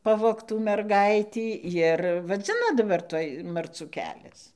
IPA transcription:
ˈpɑːʋoːktuː mʲɛrˈɡɐɪtʲiː jɪr ʋɐˈd͡zʲɪnɐ dɐˈbɐr ˈtuɔj mɐrˈt͡suː ˈkʲæːlʲɛs

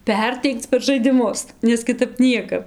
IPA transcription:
ˈpʲɛrʲtʲɛɪkt͡s pʲɛr ʒɐɪdʲɪˈmʊs nʲɛs kʲɪˈtɐp ˈnʲiɛkɐp

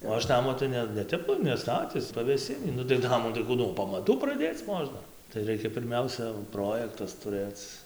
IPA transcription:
oː ˈɐʃ ˈnɑːmoː tɐɪ ˈnʲɛ nʲɛˈtʲɛp nʲɛˈstɑːtʲɪs pɐʋʲeːˈsʲɪnʲiː nʊ tɐɪ ˈnɑːmuː tɐɪ ˈkuː nuɔ pɐmɐˈtuː prɐˈdʲeːt͡s ˈmoːʒnɐ tɐɪ ˈrɐɪkʲɛ pʲɪrʲˈmʲɛʊsʲɛ ˈproːjɛktɐs tʊˈrɘt͡s

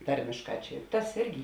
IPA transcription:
ˈtɐrʲmʲeːʃˌkɑː ˈt͡ʃʲɛ tɐs ˈɪrʲɡʲɪ

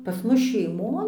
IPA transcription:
pɐs ˈmʊs ʃʲɛɪˈmoːn

